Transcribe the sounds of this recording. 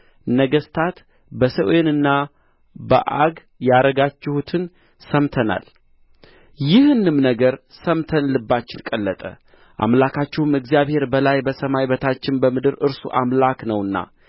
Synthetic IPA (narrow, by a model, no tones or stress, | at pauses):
nəɡəst̪ʰat̪ | bəsəwenɨnːa | bə̰ʔaɡ | jaɾəɡat͡ʃːɪhut̪ʰɨn | səmt̪ʰəna̰l | jɪhɨnːɨmnəɡəɾsəmt̪ʰənlɨbːat͡ʃːɪnkʼəlːət̪ʼə̰ | ʔa̰mlakʰat͡ʃːɪhumɨɡzjaβhe̞ɾbəlajbəsəmajbət̪ʰat͡ʃːɪnbəmɨd̪ɨɾɨɾsṵʔamlaknəwɨnːa̰